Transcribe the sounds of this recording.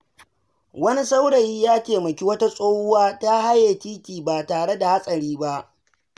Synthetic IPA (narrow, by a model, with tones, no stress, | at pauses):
wɐ˦ni˦sa˦wɽɐ˨jiː˦jaː˦tʲeː˨mɐ˨kʲi˦wɐ˦ta˦sʼoː˦hʊ˦waː˦ta˦ɦa˦jeː˨t͡ʃʲiː˦kʲiː˨baː˨taː˨ɽe˦da˨ha˦sʼɐ˨ɽiː˦ba˦ʔ